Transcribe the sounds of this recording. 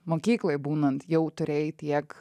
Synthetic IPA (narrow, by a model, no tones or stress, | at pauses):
moːkʲiːklˠojbuːnɐnt̪jɛʊt̪ʊɾʲeːjt̪ʲiɛk